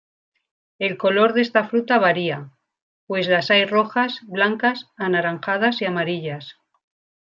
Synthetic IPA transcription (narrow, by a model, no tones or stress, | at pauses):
e̞lko̞lo̞ɾðe̞st̪afɾut̪aβ̞aɾia | pwe̞zlasajro̞xasβlaŋkasanaɾaŋxað̞asiamaɾiʎas